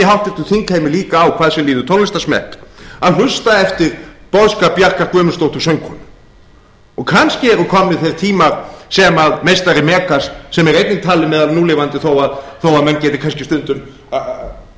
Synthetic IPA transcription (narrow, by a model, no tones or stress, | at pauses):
ɪɦawht̪ɛ̥t̪ʏθiŋkhejmɪliːkaːwkʰaːðsɛmliːðʏt̪ʰownlɪst̪asmɛ̰hkaðl̥ʏst̪aɛft̪ɪɾpɔðskapjahkaɾ̥kvœːmʏnst̪owht̪ʏ̥sœŋkʰɔnʏ | ɔɣkʰanscɪɛɾʏkʰɔmnːɪθejɾ̥t̪ʰiːmaɾ̥sɛmaðmejst̪aɾɪmɛːkassɛmɛɾejt̪nɪt̪ʰaːlɪmɛːðalnuːlɪvant̪ɪθowaðθowaðmɛncɛːt̪ɪkʰanscɪst̪ʏnt̪ʏm